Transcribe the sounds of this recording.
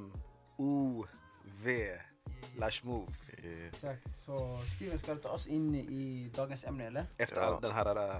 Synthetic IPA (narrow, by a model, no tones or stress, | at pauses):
uː | ʋeː | læʃmuːʋɛksɑkt̪sɔst̪iːʋənskɑd̪t̪ʰɑ̰ːsɪnʔɪd̪ɑːɡənsɛmnəɛlːəɾɛft̪əɾɑ̰d̪ɛnɦæːɾæːɾ